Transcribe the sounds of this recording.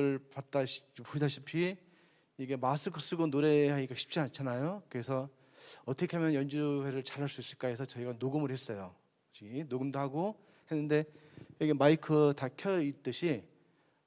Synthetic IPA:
ɯɭpat̚t͈aɕusʰaɕʰipʰi | iɡe̞masʰɯkʰɯs͈ɯɡonoɾe̞ɦaɡiɡaɕʰi̥p̚t͡ɕ͈iant͡ɕʰanajokɯɾesʰʌ | ʌtʰʌkʰeɦamjʌnjʌnd͡ʑuwe̞ɾɯɭt͡ɕaɾaɭs͈us͈iɭk͈aesʰʌt͡ɕʌiɡanoɡɯmɯɾhes͈ʌjo | t͡ɕiɡinoɡɯmdoɦaɡo | he̞nːɯnde̞ | iɡemaikʰɯtakʰjʌit͈ɯɕʰi

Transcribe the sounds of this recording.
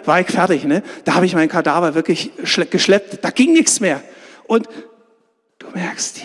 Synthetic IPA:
vaːɐɪçfɛɐtɪçnəd̥aːhaːbəɪçmaɪnkʰadaːvɐvɪɐklɪçʃɡ̥əʃlɛp̚td̥aːɡ̥ɪŋnɪçt͡smeːɐʔʊnt | d̥u̥ːmɛɐkst

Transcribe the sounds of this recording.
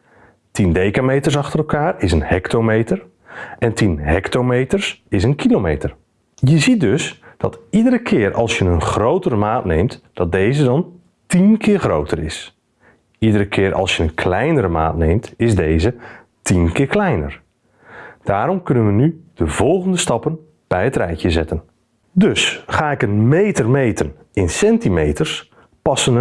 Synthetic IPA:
tindejkaːmejtəɹsɑχtəɾəɛlˠkaːɹɪsənhɛktomejtəɹ | ʔɛntinɦɛktomejtəɹsɪsənkʰilowmejtəɹ | jəzit̚dɵsd̥ɑtidəɾəkʰɪːɹʔɑ̰lˠsjənənχrowtərəmaːtnejmtd̥ɑt̚dejzədɑn | tinkʰɪːɹχrowtʰərɪ̰s | idəɾəkʰɪːɾʔɑ̰lˠsjəənkʰlɛjnəɾəma̰ːtnejmtɪzdejzə | tʰinkɪːɹklɛjnə̰r | d̥aːɾɔmkʏnənʋənyd̥əvɔlˠɣəndəstɑpən | b̥ɛjɦətrɛjkjəzɛtən | døsχaːɪkənmejtərmejtʰən | ɪnsɛntimejtərs | pɑsən

